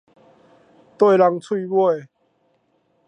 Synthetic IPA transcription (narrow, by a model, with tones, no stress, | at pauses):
t̪we˥˧˨la˧ŋt͡sʰwi˥˧bwe˥˧˨